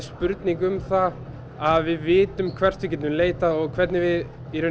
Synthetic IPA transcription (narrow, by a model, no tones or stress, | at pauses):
spʏɾt̪niŋkʏmθa | aðvɪðvɪːt̪ʏmkʰvɛr̥t̪vɪcɛːt̪ʏmleːjt̪aɔɣkʰvɛɾt̪nɪvɪð | iɾʏ